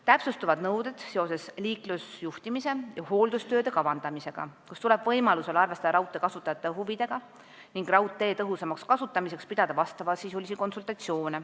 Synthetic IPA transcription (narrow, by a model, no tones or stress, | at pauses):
t̪æpsust̪uvɑd̪̥nɤwd̪e̞d̪̥se̞o̞se̞sliːklusjuht̪imise̞jɑho̞ːld̪ust̪ø̞ːd̪e̞kɑvɑnd̪̥ɑmise̞ɡ̥ɑ̰kust̪ule̞b̥vɤjmɑluse̞lɑrvest̪ɑd̪ɑɾɑwt̪ːˑe̞kɑsut̪ːˑɑjɑt̪ːˑeɦuvid̪̥e̞ɡ̥ɑ | niŋɡ̥rɑwt̪ːˑe̞ːt̪ɤɦusemɑkskɑsut̪ːˑɑmise̞kspid̪̥ɑd̪̥ɑvɑst̪ɑvɑlsiːsolʲisiko̞nsult̪ˑɑt̪sio̞ːne